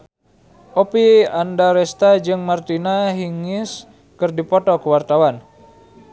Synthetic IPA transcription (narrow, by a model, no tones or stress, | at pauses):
ʔopiandaɾɛst̪ad͡ʒɨŋmart̪inaɦiŋɪs | kɨrdipɔt̪ɔkəwart̪awan